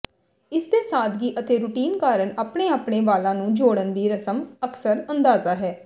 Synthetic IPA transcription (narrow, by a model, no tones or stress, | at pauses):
ɪsd̪eːsaːd̪ɡiːʔət̪eːɾʊʈiːnkaːɾəɳaːpɳeːaːpɳeːʋaːlãːnũːd͡ʒoːɽənd̪iːɾəsəməksəɾə̃nd̪aːzaːɦɛː